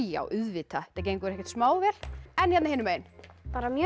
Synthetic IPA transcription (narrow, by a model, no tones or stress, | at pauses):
a̰wʔʏðvɪːt̪at̪ac̬eːjŋkʏɛɾɛcɛɾt̪smaːwvɛːlɛnçɛt̪nahɪːnʏmeːjɪnpaːɾamjœ